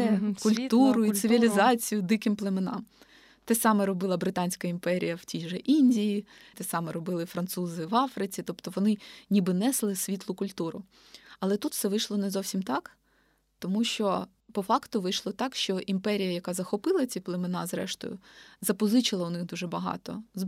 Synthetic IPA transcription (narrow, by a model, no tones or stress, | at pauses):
ɛkʊlʲt̪uɾʊisɪʋʲilʲizɑt͡sʲijʊd̪ɪkɪmplˠemenɑ̰m | t̪ɛsɑmɛɾɔbɪlˠɐbɾɪt̪ɑnʲsʲkɐimpɛɾʲḭjɐwtʲijʒɛʔinʲdʲiji | t̪ɛsɑmɛɾɔbɪlˠɪfɾɐnt̪suzɪʋɑfɾɪt͡sʲit̪ɔpt̪ɔʋɔnɪnʲibɪnɛslˠɪsʲʋʲit̪lˠʊkʊlʲt̪uɾʊ | ɐlˠɛt̪ut̪sɛʋɪjʃlˠɔnɛzɔwsʲimt̪ɑk | t̪ɔmuʃt͡ʃɔ | pɔfɑkt̪ʊʋɪjʃlˠɔt̪ɑkʃt͡ʃɔʔimpɛɾʲijɐjɐkɑzɐxɔpɪlˠɐt͡sʲiplˠemenɑzɾɛ̰ʃt̪ɔ̰jʊ̰zɐpɔzɪt͡ʃɪlˠɐʊnɪxd̪uʒɛbɐɦɑ̰t̪ɔ̰z